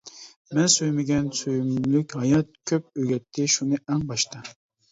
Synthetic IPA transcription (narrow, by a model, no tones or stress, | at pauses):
mɛnsøjmɪɡʲɛnsøjymlykʲhɑjɑt̪̚kʲʰøp̚øɡʲɛt̪ʰːɪʃunɨʔɛŋbɑʃt̪ʰɑ